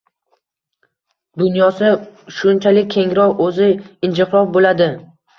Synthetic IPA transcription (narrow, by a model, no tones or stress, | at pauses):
d̪ʊnjɒsaʃʊnt͡ʃʰalɪk̚ʲʰːe̞ŋɾɒwɵzɪɪnd͡ʒɪqɾɒfbolad̪ɪ